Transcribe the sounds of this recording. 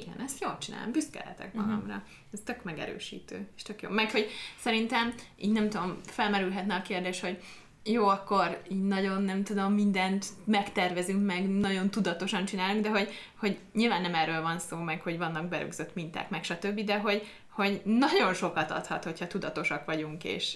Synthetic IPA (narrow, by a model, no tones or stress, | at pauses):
iɡɛ̰nɛst̪joːlt͡ʃina̰ːlo̰mbyskɛ̰lhɛ̰t̪ɛ̰kbɒlɒ̰mrɒ̰ | ɛst̪økmɛɡɛ̰ɾø̰ːʃḭːt̪ø̰ːeːʃt̪økjo̰ːmɛkho̞ɟsɛɾint̪ɛmḭːɟnɛmt̪ud̪o̞mfɛlmɛɾylɦɛt̪nɛɒkeːrd̪eːʃho̞ɟ | joːɒkːo̞ɾiːɟnɒɟo̞nːɛmt̪ud̪o̞mːind̪ɛnt̪mɛkt̪ɛrvɛzyŋkmɛɡnɒɟo̞nt̪ud̪ɒt̪o̞ʃɒnt͡ʃinaːluŋɡd̪ɛɦo̞ɟ | ho̞ɟɲilvaːnːɛmɛrːøːlvɒnsoːmɛkho̞ɟvɒnːɒɡbɛɾø̰ɡz̥øt̪mint̪a̰ːkmɛkʃɒt̪øbːid̪ɛɦo̞ɟ | ho̞ɟnɒɟo̞nʃo̞kɒt̪ɒ̰t̪hɒ̰t̪ho̞chɒt̪ud̪ɒt̪o̞ʃɒkʋɒɟuŋkḛːʃ